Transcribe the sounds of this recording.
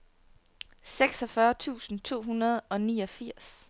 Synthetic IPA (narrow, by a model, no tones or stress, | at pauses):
seɡ̥sɒ̽fɶɐt͡sʰṵːsn̩t͡sʰo̝̰ːɦunɐð̞̩ˠɒ̽niːɒ̽fiɐ̰s